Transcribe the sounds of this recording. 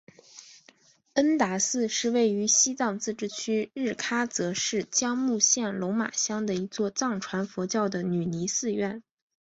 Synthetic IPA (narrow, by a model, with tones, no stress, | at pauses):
ə˥nt̪a˧˥sɹ̩˥˧ʂɻ̩˥˧we˥˩ɪy˧˥ɕi˥t͡sɑ˥˧ŋt͡sɹ̩˥˧ʈ͡ʂɻ̩˥˩t͡ɕʰy˥ɻɻ̩˥˩kʰa˥t͡sɤ˧˥ʂɻ̩˥˩t͡ɕjɑ˥ŋmu˥˧ɕjɛ˥˩nlo˧˥ʊma̰˨˩ɕjɑ˥ŋd̪ə˨i˧˥t͡swɔ˥˧t͡sɑ˥˩ŋʈ͡ʂʰwa˧˥nfwɔ˧˥t͡ɕjɑ˥˩ʊd̪ə˩ny˨˩ni˧˥sɹ̩˥˧ɥɛ˥˩n